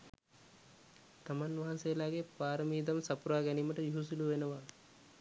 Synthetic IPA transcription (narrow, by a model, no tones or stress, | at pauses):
t̪amanʋaɦansejlaːɡepaːɾɐmiːd̪ɐmsɐpuɾaːɡɛniːməʈəjuɦus̬uluʋenɐʋaː